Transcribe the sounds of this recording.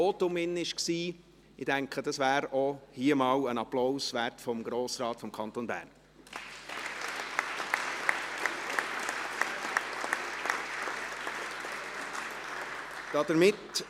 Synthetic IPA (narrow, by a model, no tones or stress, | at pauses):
oːt̪ʊmɪnːəɪʃksiː | ɪd̥æŋkχədɑsvæːɾɔhiəmɑːwənɑplowsʋæɾtfɔmɡɾoːsɾɑːtfɔmkʰɑnt̪onbæ̰ːɾn | d̥ɑd̪əɾmɪt